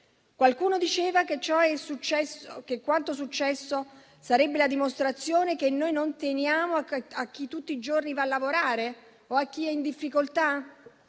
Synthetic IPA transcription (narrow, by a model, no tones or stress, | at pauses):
kwalkuːnod̪it͡ʃeːvaket͡ʃɔɛsut͡ʃɛskekːwant̪os̬ut͡ʃːɛsːo | saɾɛbːelad̪imost̪ɾat̪sːjoːnekenːojnont̪enjaːmoaak̟ːit̪ːut̪ːiːd͡ʒornivalːavoɾaːɾe | oak̟ːiɛind̪ifːikolt̪a